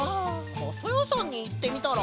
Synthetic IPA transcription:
osojosãɲ̟ːiːt̪ːe̞mʲit̪aɾa

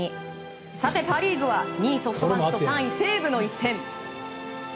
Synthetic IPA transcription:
i | sat̪e̞paɾʲiːɡɯ̟βaɲ̟iːso̞ɸɯ̟t̪obãosãɰ̃ĩse̞ːbɯ̟no̞isẽ̞m

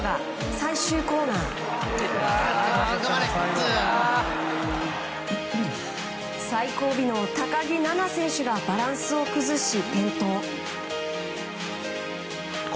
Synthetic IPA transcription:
ɡa | saiɕɨːko̞ːnaː | saiko̞ːbʲino̞t̪akaɡʲinanasẽ̞ɰ̃ɕɨɡabaɾãɰ̃sɨo̞kɯ̟zɨɕipẽ̞nt̪o̞ː

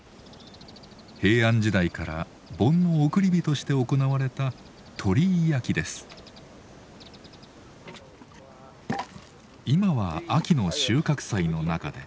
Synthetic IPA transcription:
he̞ːãɲ̟d͡ʑid̪aikaɾa̰ | bõ̞nːo̞ːkɯ̟ɾʲibʲit̪o̞ɕi̥t̪e̞oko̞naβaɾe̞t̪a | t̪ʰo̞ɾʲijakʲid̪e̞sɨ̥ | imaβaakʲino̞ɕɨːkakɯ̟̥saino̞naka̰d̪e̞̰

